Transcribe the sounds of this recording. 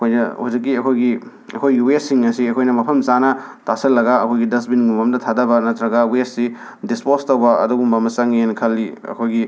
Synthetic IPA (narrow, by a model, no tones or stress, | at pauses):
ɐkʰojnɐ̰huzik̬ːiɐkʰojɡi | ɐ̰kʰojɡiwesiŋɐsiɐkʰojnɐmɐpʰɐmsanɐ | tasɐlːɐɡɐɐkʰojɡidɐs̬binɡumɐmdɐtʰadɐbɐnɐtɾɐɡɐwesːi | dispostɐwbɐɐ̰duɡumbɐmɐsɐŋenkʰɐlːiɐ̰kʰojɡi